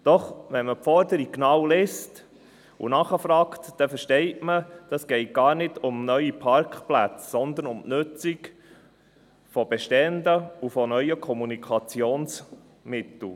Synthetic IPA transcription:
d̥ɔχʋɛnməpfɔɾd̪əɾikknɑwlɛst | ṵnɑχəfɾɑːkt̪d̥ɛfəʃtɛɪtməd̥ɑsɡ̥ɛɪt̚ɡ̥ɑːɾnɪdʊmnœʏipʰɑɾkχplæ̰t͡ssɔnd̪ənʊmnʉt͡sik | fɔbɛʃtɛndəufɔnœʏəkʰɔmunikʰɑt͡sioːns | mɪt̪l̩

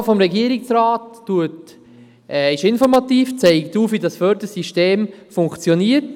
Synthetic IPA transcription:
fɔmɾɛɡiəɾɪksraːtːuət | ʔɛɪʃɪnfɔɾmɑtiːft͡sɛɪktuːfʋidɑsfœːɾdəɾsiʃteːmfʊŋkt͡sjoniːət

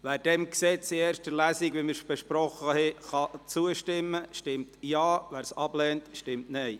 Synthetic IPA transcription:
ʋæːɾd̥ɛmksɛt͡sieːɾʃtəlæːsiɡʋiməɾb̥eʃpɾɔχəhɛχɑt͡suəʃtɪmːəʃtɪmtjɑːvæːɾsɑb̥lɛːntʃtɪmtnɛj

